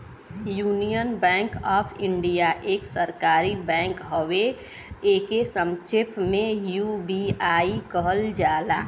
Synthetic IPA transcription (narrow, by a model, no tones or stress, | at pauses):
juːnijənbɛ̃ːŋkɔːpʰɪ̃ɳɖijaʔeːksəɾkaːɾibɛ̃ːŋkɦowe | eːkesəmt͡ʃʰɪpmẽjubiaːikəɦəld͡ʒaːla̰